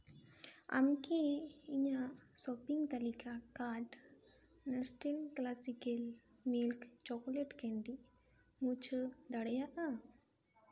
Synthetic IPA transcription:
a̰mkiiɲasɔpiŋɡt̪ɐlikakaʈ | nɐsʈelklasikel | milkt͡ʃɔkoleʈkeɳɖi | mũt͡ʃʰəd̪ɐɽɛjaʔa

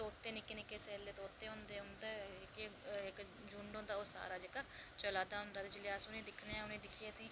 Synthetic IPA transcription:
oːʊt̪ːẽːnɪkːeːnɪkeːsɛːlːeːt̪oot̪ːeːɦõnd̪eːɦʊnd̪aːɪkeɪk | d͡ʒuːɳɖõːnd̪aːoːsa̰ːɾaːd͡ʒeːkaːt͡ʃəlaːd̪aːɦʊnd̪aːt̪eːd͡ʒɪleːəsʊnẽːd̪ɪkʰneɛ̃ːʊnẽːd̪ɪkʰieːəsĩː

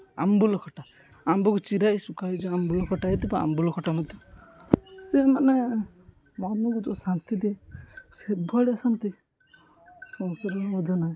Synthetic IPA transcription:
a̰mbulɔkʰɔʈa | ambɔkɔt͡ʃiɾajsukaid͡ʒɔambulɔkʰɔʈait̪ipaa̰mbulɔkʰɔʈamɔt̪i | semane | manuɡut̪ɔsant̪id̪esebʱɔɽiasant̪i | sɔ̃nsɔɾɔɔd̪ʱɔnaj

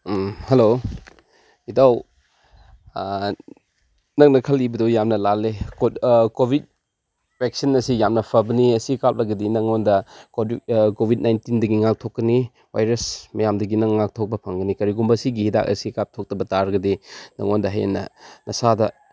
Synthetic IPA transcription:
helo | idaw | nɐk̚nɐkʰɐlibɐdowjamnɐlalːekkobʱit̚ | pek̚sinɐsijamnɐpʰɐbɐniɐsikap̚lɐɡɐdinɐŋondɐkokobʱid̚najntindɐɡiŋak̚tʰokːɐni | wajɾɐsmɐjamdɐɡinɐŋːak̚tʰok̚bɐpʰɐŋɡɐnikɐɾiɡumbɐsiɡihida̰kɐ̰sikap̚tʰok̚tɐbɐtaɾɡɐdinɐ̰ŋondɐɦajḛnːɐnɐsadɐ

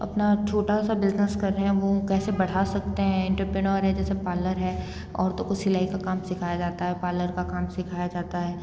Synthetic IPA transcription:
ɐ̰pnat͡ʃʰoːʈasabɪznəskɐɾːeɦɛ̃ʋokɛːsebɐɽ̤asɐkt̪eɦɛ̃ɪ̃ɳʈəɾpɾɪnəːɾɦɛ̃d͡ʒɛːsepaːləɾɦɛː | ɔ̰ːɾt̪õkʊsɪlaːikakaːmsɪkʰaːjad͡ʒaːt̪aɦɛpaːləɾkakaːmsɪkʰaːjad͡ʒaːt̪aɦɛː

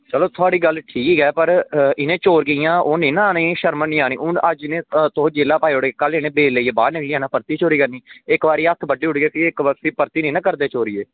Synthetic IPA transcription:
t͡ʃəloːt̪ʰʊaːɽiːɡəlʈʰiːkkɛːpəɾɪnẽːt͡ʃoːɾɡəijãːʔoːnĩːnaːnĩːʃəɾmənĩːaːnĩːʊnəd͡ʒɪnẽːt̪oːd͡ʒeːlaːpaːiːʊɽɡeːkəlɪnẽːbeːlːeiːeːbaːɾnɪkliːãːnãːpəɾt̪iːt͡ʃoːɾiːkəɾniːɪkbaːɾiːət̪ʰbəɖːiːɦʊɽɡeːk̪iɪkəsiːpəɾt̪iːnĩːnãːkəɾd̪eːt͡ʃoːɾieː

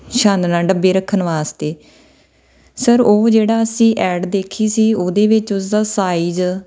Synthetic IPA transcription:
ʃãːnd̪nãːɖəbːeːɾəkʰːənʋaːst̪eː | səɾoːd͡ʒeːɽaːəsĩːʔɛːɖd̪eːkʰiːsiːoːd̪eːʋɪt͡ʃʊs̬d̪aːsaːiːd͡ʒ

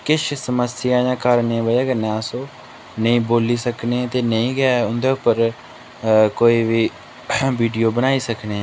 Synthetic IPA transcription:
kɪʃsəməsɪjãːjãːkəɾnẽbəaːkənãːsõː | nəĩːboːliːsəkneːt̪eːnəĩːɡaʊnd̪eːʊpːəɾ | koːiːʋiː | ʋiːɖijoːbənaːiːsəkneː

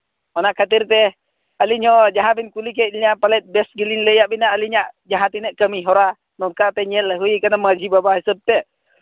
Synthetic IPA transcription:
ɔnakat̪irt̪ɛ | aliɲɔd͡ʒaɦabinkulikeʔliɲapalɛt̪̚bɛsɡəlinləjaʔbinaaliɲaʔd͡ʒaɦat̪inəʔkəmiɦoɾa | nɔkat̪ɛɲɛləɦuikanamad͡ʒibabahisəb̚t̪eʔ

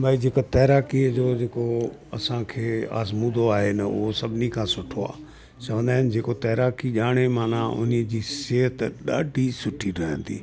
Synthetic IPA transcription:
bʱaːid͡ʑeːkat̪ɐɦɾaːkiəd͡ʑoːd͡ʑeːkoɐ̰sãkʰeːa̰ːzmũːd̪ʱoaːɦenɐʊ̰ɦosɐbʱɪnikʰãːsʊʈʰoa̰ː | t͡ɕɐʋə̃nd̪aːɦɪn̆d͡ʑeːkot̪ɐɦɾaːkiʄaːɽ̃emaːnãʔʊ̰niəd͡ʑiːseːɦət̪ɗa̰ːɖʱisʊʈʰiɾɐɦə̰̃nt̪ḭː

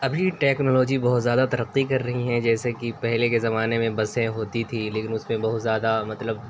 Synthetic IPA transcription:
ɐbʱiʈɛːknoːlɔːd͡ʒibɐɦʊt̪zjaːd̪at̪ɐɾɐqːikɐɾːɐɦiɦɛ̃d͡ʒɛːsekipɛɦlekezɐmaːnemẽbɐsẽɦoːt̪it̪ʰileːkɪnʊsmẽbɐɦʊt̪zjaːd̪amɐt̪ləb̚

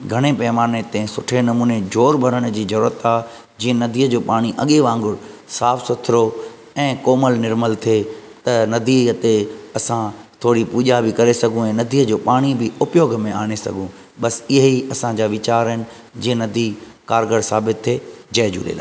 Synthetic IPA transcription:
ɡʱɐɽ̃epɐːmaːnet̪ɛ̃sʊʈʰenɐmuːned͡ʑoːɾbʱɐɾəɽ̃̆d͡ʑiːzɐɾuːɾət̪aːɦ | d͡ʑiːə̃nɐd̪ʱiːəd͡ʑoːpaːɽ̃iʔɐɠeʋãːŋɡʊɽsaːfsʊt̪ʰɪɾo | ɛ̃ːkɔːməlnɪɾməlt̪ʰet̪ɐnɐd̪it̪eɐsãt̪ʰoːɽipuːʄabɪkɐɾesɐɡʱũɛ̃ːnɐd̪ʱiːəd͡ʑoːpaːɽ̃ibɪʊpjoːɡʱmẽaːɽ̃esɐ̰ɡʱũ | ɓɐsɪɦiɐsãd͡ʑaːʋɪt͡ɕaːɾɦɪnɪ̆ | d͡ʑiːə̃nɐd̪ʱikaːɾɡəɽsaːbɪt̪ʰːeːd͡ʑɐɦd͡ʑṵ̃ːɗḛːlaː

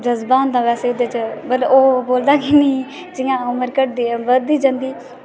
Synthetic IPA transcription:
d̪əzbaːnd̪ãːʋɛːseːʊd̪et͡ʃbəɾoːboːld̪aːkɪniː | t͡ʃɪŋãːʊməɾkəʈ̚d̪iːbəd̪iːd͡ʒãːnd̪iː

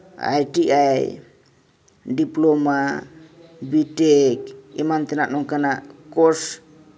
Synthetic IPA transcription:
a̰jʈiʔaj | ɖiploma | biʈekḭmant̪enanɔŋkanakos

